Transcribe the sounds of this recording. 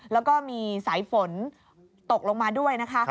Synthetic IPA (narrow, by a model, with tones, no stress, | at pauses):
lɛː˦˥wkɔː˥˩miː˧saː˩˦jfo˨˩˦n | t̪o˨˩k̚lo˧ŋmaː˧du˥˩əjna˦˥kʰa˦˥